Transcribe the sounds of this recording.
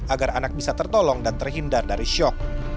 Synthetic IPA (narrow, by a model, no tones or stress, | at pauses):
aɡaranak̚bisat̪ərt̪ɔlɔŋdant̪ərɦindardaɾiʃɔk̚